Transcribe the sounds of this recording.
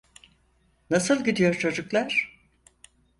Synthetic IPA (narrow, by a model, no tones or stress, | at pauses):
nasɯlˠɟid̪ijo̞ɾt͡ʃʰo̞d͡ʒuklˠaɾ̥